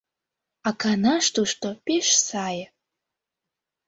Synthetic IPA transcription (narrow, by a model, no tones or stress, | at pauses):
akʰanaʂtʰuʂtʼopʼeʂsaj